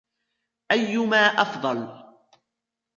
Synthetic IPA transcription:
ʔajːʊmaːʔɑfd̪ˤɑl

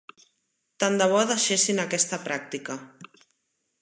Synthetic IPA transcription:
t̪and̪aβ̞ɔðaʃesinakɛst̪apɾak̚t̪ika

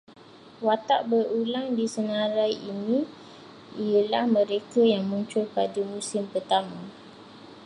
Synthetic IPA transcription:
wat̪aʔbərulaŋdisənaɾajinĩ | ijəlahmə̃ɾekajaŋmuɲt͡ʃʊlpadamũsɪmpərt̪amã

